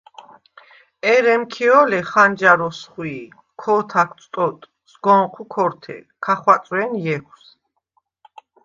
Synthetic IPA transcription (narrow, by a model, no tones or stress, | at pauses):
ɛɾɛmkʰiɔlɛχand͡ʒaɾɔsχwi | kʰɔt̪ʰak̪ʰsʼt̪ʼɔt̪ʼ | sɡɔɴqʰukʰɔɾt̪ʰɛ̰ | kʰaχwat̪sʼwɛnjɛkʰws